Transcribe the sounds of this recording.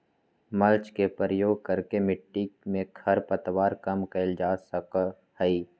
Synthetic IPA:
məlt͡ʃkepɾəjoːɡ̚kəɾkemɪʈːimẽkʰɐɾpət̪waːɾkəmkəɪld͡ʒaːsək | həiː

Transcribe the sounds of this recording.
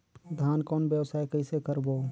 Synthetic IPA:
d̪ʱjaːnkɔːnbjəwsaːjkəɪsekəɾboː

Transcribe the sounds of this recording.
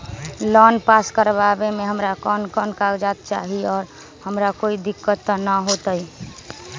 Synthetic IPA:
lɔnpaskəɾbabemeɦəmɾakənkənkaɡd͡ʒat̪̚t͡ʃa̰ɦiɔːɾ | həmɾakoid̪ikːət̪ːnəɦot̪əj

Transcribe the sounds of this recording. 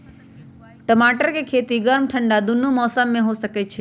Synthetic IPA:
ʈəmaʈəɾkekʰet̪iɡəɾmʈʰəɳɖad̪unumɔsəmːẽɦoʃəket͡ʃʰe

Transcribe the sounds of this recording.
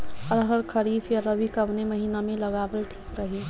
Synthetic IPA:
əɾɦəɾkʰəɾiːfjaɾəbikəʋneməɦiːnamẽləɡaːʋəlʈʰiːkɾəɦi

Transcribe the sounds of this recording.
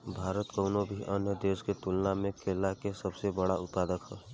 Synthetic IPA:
bʱaːɾət̪kəʊnobʱiʔənjəd̪eːsket̪ulnamẽkʰeːlakesəbsebəɽaʊt̪paːd̪əkɦɛː

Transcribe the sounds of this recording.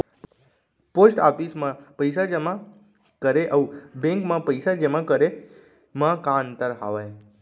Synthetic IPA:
posʈafismãpəjsad͡ʒemã | kəɾeʔəwbẽŋkmãpəjsad͡ʒemãkəɾe | mãkãnt̪əɾɦa̰ʋaj

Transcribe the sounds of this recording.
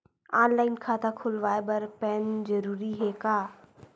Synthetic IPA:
aːnlaːɪnkʰaːt̪akʰʊlʋaːebɐɾpɛːnd͡ʒəɾuːɾiɦɛkaː

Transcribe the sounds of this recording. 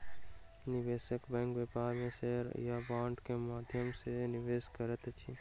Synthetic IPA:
nɪʋeːsəkbɛ̃ːŋkʋepaːɾmẽʃeɦɾjabãːɳʈkemaːd̪ʱjəmsenɪʋeːskəɾət̪t͡ʃʰi

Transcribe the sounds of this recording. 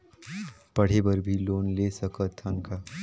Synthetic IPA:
pəɽ̤ebəɾbʱiloːnlesəkət̪ʰːəŋka

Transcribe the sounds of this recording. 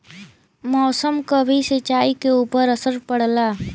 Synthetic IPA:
mɔːsəmkabʱisət͡ʃaːikeuːpəɾəsəɾpəɽlaː

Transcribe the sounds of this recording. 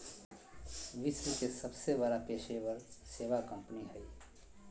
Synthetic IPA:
ʋɪswəkesəbsebəɾapeːʃʰebəɾseːʋakə̃mpniɦəi

